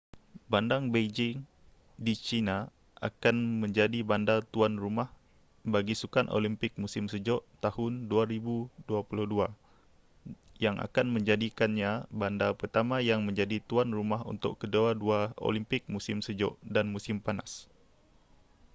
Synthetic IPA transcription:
bandaŋbed͡ʒɪŋ | dit͡ʃina | ʔa̰kanməɲd͡ʒadibandat̪uanrumah | baɡisukanʔo̰limpɪk̚musɪmsəd͡ʒɔʔt̪ahʊnduaɾibuduapuluhdua | jaŋʔa̰kanməɲd͡ʒadikanɲabandapərt̪amajaŋmə̃ɲd͡ʒadit̪uanrumaɦṵnt̪ʊ̰kkəduaduao̰limpɪk̚musɪmsəd͡ʒɔ̰ʔdanmusɪmpanas

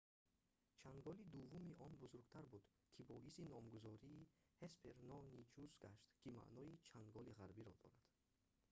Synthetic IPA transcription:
t͡ʃʰaŋɡɔlid̪uvumiʔɔnbuzuɾɡt̪ʰaɾbud̪̥ | kʰibɔisinɔmɡuzɔɾiː | hespʰeɾnɔnit͡ʃusɡaʃt̪kʰima̰ʔnɔit͡ʃʰaŋɡɔliʁaɾbiɾɔd̪ɔ̰ɾad̪̥

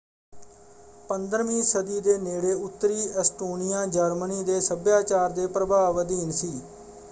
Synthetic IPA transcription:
pənd̪əɾmĩːsəd̪iːd̪eːneːɽeːʊt̪ːɾiːɛsʈoːnɪjãːd͡ʒəɾməniːd̪eːsəbjaːt͡ʃaːɾd̪eːpɾəbaːʋəd̪iːnsiː

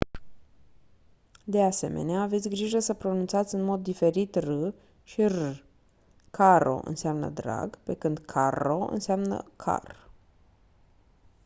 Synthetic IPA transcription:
d̪e̞ase̞me̞̰neaːvet̪sʲɡɾiʒəsəpɾo̞nunt̪sat̪sʲɨnmo̞d̪ːife̞ɾit̪rɨ | ʃirɨ | kʰaɾo̰ʔɨ̰nseamnə̰d̪ɾa̰ɡpe̞kɨnd̪kʰaɾo̞ɨ̰nseamnə̰kʰa̰r

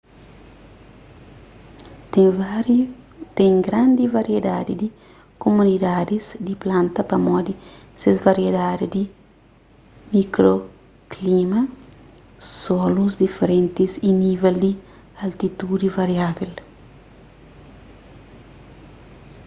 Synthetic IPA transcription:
t̪ɛ̃ŋɡɾãnd̪ivaɾjed̪ad̪id̪i | komunid̪ad̪izd̪iplãnt̪ɐpɐmɔd̪i | sezvaɾjed̪ad̪id̪i | mikɾo | klimɐ | sɔluzd̪ifeɾẽnt̪isinivɛld̪i | ɐlt̪it̪ud̪ivaɾjavel

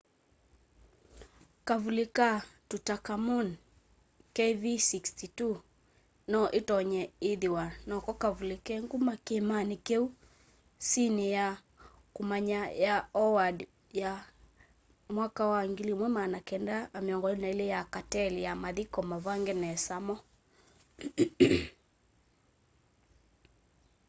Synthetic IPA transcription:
kavulikatutakamun | kɛvisikstitu | nɔʔitɔɲɛiðiwanɔkɔkavulikɛŋɡumakɛmanikɛu | sinɛja | kumaɲajaɔwad | ja | mwakawaŋɡilimwɛmanakɛndaːmeɔŋɡɔnaelɛjakatɛlijamaðikɔmavaŋɡɛnɛsamɔ

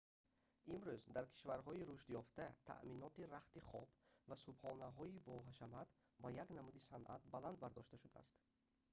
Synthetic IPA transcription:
ʔimɾuzd̪aɾkʰi̥ʃvaɾɦɔiɾuʃt̪jɔft̪at̪ʰa̰ʔminɔt̪iɾaχt̪iχɔbvasubhɔnaɦɔibɔɦaʃamat̪ | bajaknamud̪isanʔa̰t̪̚baland̪̚baɾd̪ɔʃt̪aʃud̪a̰ːst̪

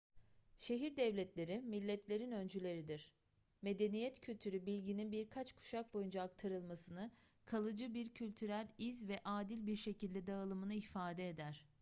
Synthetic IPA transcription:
ʃe̞ɦiɾd̪ɛvlʲɛt̪lʲe̞ɾimilʲːɛt̪lʲe̞ɾinønd͡ʒylʲe̞ɾid̪iɾ̥ | me̞d̪e̞nijɛt̪cʰylʲt̪ʰyɾybilʲɟininbiɾkʰat͡ʃkʰu̥ʃak̚bo̞jund͡ʒaːk̚t̪ʰaɾɯlˠmasɯnɯ | kʰalˠɯd͡ʒɯbiɾcʰylʲt̪ʰyɾælʲizvɛʔaːd̪ilʲbiɾʃe̞cilʲd̪ɛd̪aɯlˠɯmɯnɯifaːd̪ɛːd̪æɾ̥

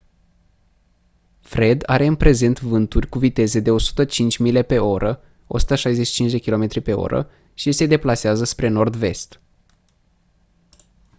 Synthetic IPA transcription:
fɾe̞d̪a̰ɾe̞ɨnpɾe̞ze̞nt̪vɨnt̪urʲkuvit̪e̞ze̞d̪e̞o̞su̥t̪ət͡ʃint͡ʃʲmile̞pe̞o̞ɾʔə | o̞̰su̥t̪əʃajze̞ʃi̥t͡ʃint͡ʃʲd̪e̞kʲilo̞me̞t̪ɾipe̞o̞̰ɾə̰ | ʃise̞d̪e̞plaseazəspɾe̞no̞rd̪ve̞̰st̪

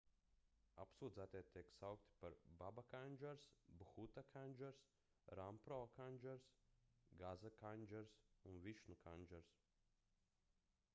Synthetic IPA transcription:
a̰psuːd̪zæt̪ajt̪ʲiɛksawkt̪i̥paɾbabakanʲd͡ʒɛɾsbxut̪akʰanʲd͡ʒɛɾs | ɾampɾɔːkanʲd͡ʒɛɾsɡazakanʲd͡ʒɛɾsunviʃnukʰanʲd͡ʒɛɾs

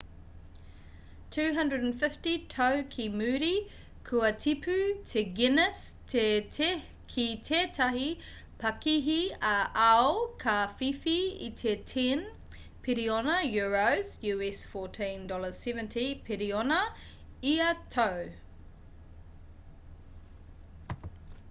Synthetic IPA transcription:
tʰʉːɦɐ̃ndɹədnfɪftitʰowkʰimʉːɾi | kʰuɐtʰipʰʉtʰeɡɪnəstʰet | kʰitʰeːtʰɐɦi | pʰɐkiɦiɐʔɐokʰɐfifiḭtʰetʰin | pʰiɾionɐjuɹowzjʉɛsfɔːtʰĩndɔləz̥sɛvə̃ntʰipʰiɾionɐ | iɐtʰow

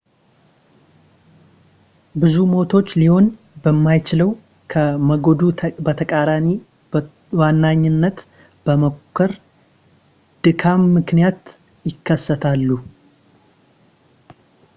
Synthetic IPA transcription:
bɨzumo̞t̪ʰo̞t͡ʃːliho̞n | bəmːajt͡ʃɪləw | kʰəməɡod̪ubət̪ʰəkʼaɾami | wanːaɲːɪnːət̪ | b̥əmokʰːəɾ | d̪̥ɨkʰamːɨknijat̪ | jɪkʰːəsːət̪ʰalːu

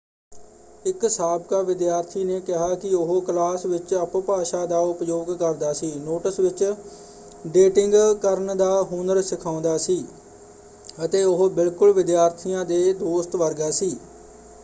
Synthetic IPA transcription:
ɪksaːbkaːʋɪd̪jaːɾt̪ʰiːneːkɪɦaːkɪʊɦoklaːsʋɪt͡ʃəppaːʃaːd̪aːʊpjoːɡkəɾd̪aːsiːnoːʈəsʋɪt͡ʃ | ɖeːʈɪŋɡkəɾnd̪aːɦʊnəɾsɪkʰaːʊ̃nd̪aːsiː | ət̪eːʊɦbɪlkʊlʋɪd̪jaːɾt̪ʰijãːd̪eːd̪oːst̪ʋəɾɡaːsiː

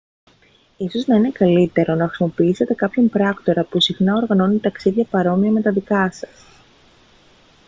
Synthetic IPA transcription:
iso̞znɐine̞kɐlit̪e̞ɾo̞nɐxɾisimo̞piise̞t̪e̞kɐpço̞mpɾɐkt̪o̞ɾɐpusixnɐo̞ɾɣɐno̞nit̪ɐksiðʝɐpɐɾo̞miɐme̞t̪ɐðikɐsɐ̥s

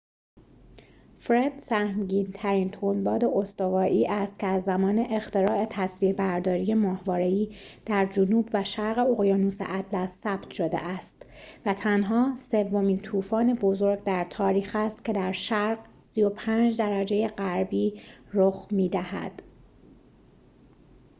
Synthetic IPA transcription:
fɾed̪̥sæhmɟiːnt̪ʰæɾiːnt̪ʰonbɒːd̪e̞ʔo̞st̪ovɒːʔiːʔæst̪cʰeæzːæmɒːne̞ʔext̪eɾɒːʔe̞t̪ʰæsviːɾbæɾd̪ɒːɾije̞mɒːhvɒːɾeiːd̪̥æɾd͡ʒonuːbvæʃæɾɣe̞oɣjɒːnuːsḛʔæd̪læsːæːb̥t̪ʰʃo̞d̪e̞̰ʔæst̪væt̪ʰænɦɒːse̞vːo̞miːnt̪ʰuːfɒːne̞bo̞zoɾɡd̪æɾt̪ʰɒːɾiːxæst̪̚cʰe̞d̪æɾʃæɾɢsijo̞pʰænd͡ʒd̪æɾæd͡ʒe̞je̞ɢæɾbiːɾoxmiːd̪æhæ̰d̪̥

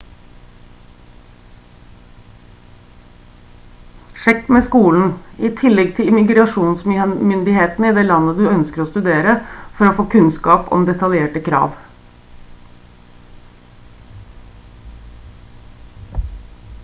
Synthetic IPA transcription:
ʂɛkːmeːskuːln̩iːt̪ʰɪlːɛɡ̚t̪ʰɪlɪmɪɡɾɑʂuːnsmmʏnd̪ɪheːt̪n̩əɪd̪ɛːlɑnːəd̪ʉœnskəɾoːst̪ʉd̪eːɾəfɔɾoːfoːkʰʉnskɑːpɔ̰md̪ɛt̪ɑljeːʈəkʰɾɑ̰ːʋ

